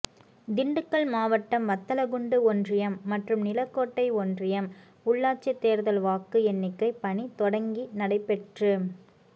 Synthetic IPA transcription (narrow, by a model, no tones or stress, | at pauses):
d̪ɪɳɖɯkːɐɭmaːʋɐʈːɐmʋɐt̪ːɐlɐɡʊɳɖɯɔndrɪjɐmːɐʈrɯmnɪlɐkːoːʈːɐɪɔndrɪjɐm | ʊɭːaːʈt͡ʃːɐt̪ːeːɾðɐlʋaːkːɯɛnːɪkːɐɪpɐnit̪ɔɽɐŋɡinɐɽɐɪpːɛʈrɯ